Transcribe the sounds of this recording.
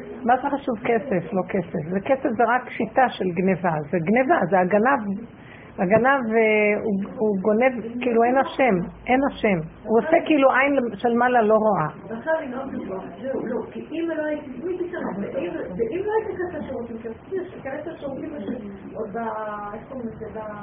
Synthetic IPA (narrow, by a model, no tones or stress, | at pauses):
mazeχaʃuvkeseflo̞kesefzekesefzeʁakʃit̪aʃe̞lɡnevazeɡnevazeaɡanav | aɡanaveuuɡo̞ne̞vkiiːluenaʃemʔenaʃemuosekːiiluʔajnleʃelmalalo̞ʁoaveaχelimod̪ifalokiʔimaloait̪imit̪ikaneeimveʔimloait̪ikasaʃuʁot̪imkeskieʃekenesaʃotimeʃe | od̪aefpomnsed̪a